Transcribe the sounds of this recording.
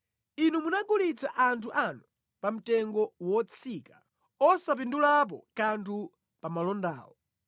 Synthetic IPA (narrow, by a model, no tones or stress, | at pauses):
inumunaɡulit͡sʰaʔantʰuʔanu | pam̩tɛŋɡɔwɔt͡sʰikḁ | ɔsap̬indulap̬ɔkantʰu | pamalɔnda̰ːɔ